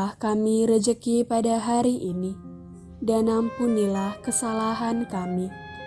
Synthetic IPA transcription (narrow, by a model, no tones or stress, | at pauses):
ahkamiɾəd͡ʒəkipadaɦaɾiʔini | danampunilahkəsalaɦankami